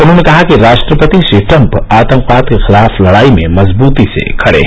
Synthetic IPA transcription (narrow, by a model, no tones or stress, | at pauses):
ʊnɦõnekɐɦakiɾaːʃʈɾəpət̪isiʈɐ̃mpaːt̪ə̃ŋqʋaːd̪kexɪlaːfʰlɐɽaːimẽmɐzbuːt̪isḛkʰɐɽḛ